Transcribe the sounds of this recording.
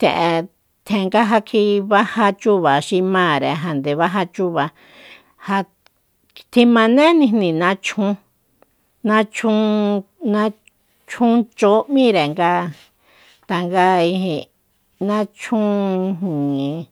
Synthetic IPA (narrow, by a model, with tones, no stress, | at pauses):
t̪ẽ˨ʔe˧ | t̪ʰẽ˧˨˧ŋɡa˦ɦa˧kʰi˧βa˦ha˧t͡ʃu˦βa˨ʃi˧mãː˦˨ɾe˨ɦa˨nd̪e˨βa˦ɦa˧t͡ʃu˦βa˧ | ha˧ | t̪ʰi˧mã˧nẽ˦nĩ˧nĩ˧nã˧˦t͡ʃʰũ˧˦ | nã˦t͡ʃʰũ˦nã˦ | t͡ʃũ˦t͡ʃo˦mĩ˦ɾe˨ŋɡa˦ | t̪a˧ŋɡa˦i˧ɦĩ˧ | nã˦t͡ʃʰũ˦i˧ɦĩ˨˧